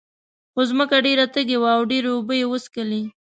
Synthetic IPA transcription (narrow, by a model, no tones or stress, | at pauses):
xozməkaɖeɾat̪əɡewaːwɖeɾeʊbəjewəskəli